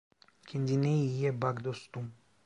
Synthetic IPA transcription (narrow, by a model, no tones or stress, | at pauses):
kʰind̪ineijebaɡd̪ost̪um